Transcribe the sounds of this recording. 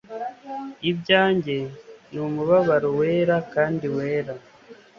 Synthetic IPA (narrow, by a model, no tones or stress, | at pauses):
ibɟaːɲɟe̞nuːmuβaβaɾowe̞ːɾakaːndiwe̞ːɾa